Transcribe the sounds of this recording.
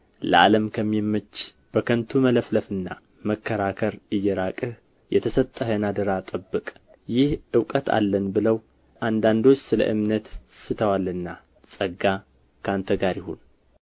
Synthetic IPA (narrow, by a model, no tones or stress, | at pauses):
lə̰ʔa̰ləmkʰəmːimːɨt͡ʃː | b̥əkʰənt̪ʰumələfləfɨnːa̰ | məkːəɾakʰəɾɨjːɛɾakʼɨh | jɛt̪ʰəsət̪ʼːəɦənad̪əɾat̪ʼəbːɨkʼ | jɪhʔɨwkʼət̪ʰa̰lːənbɨləw | ʔand̪and̪o̞t͡ʃːsɨlə̰ʔɨmnət̪sɨt̪ʰəwalɨnːa | sʼəɡa | kʰant̪ʰəɡaɾjɪho̰n